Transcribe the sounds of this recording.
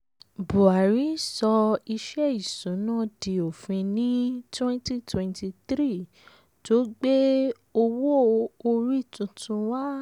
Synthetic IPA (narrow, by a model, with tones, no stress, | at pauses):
bo˨a˨ɾi˨˦sɔ˧i˧ʃɛ˦i˨sũ˨˦nã˦˨di˨o˨fĩ˧nĩ˦twɛ̃˦nti˦twɛ̃˧nti˧tɾi˦˨ | to˨˦ɡ͡be˦ | o˧wo˦˨˧o˧ɾi˦˨tũ˧tũ˧wa˦